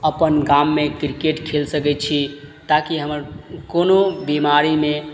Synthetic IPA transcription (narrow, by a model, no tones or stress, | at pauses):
əpənɡamːekɾikeʈkʰelsəkɛt̪̚t͡ʃʰit̪akiɦəməɾkonobimaɾime